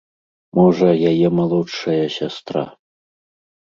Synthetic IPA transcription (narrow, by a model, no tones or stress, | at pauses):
mɔʐɐjajɛmalˠɔtʂɐjɐsʲast̪ɾa̰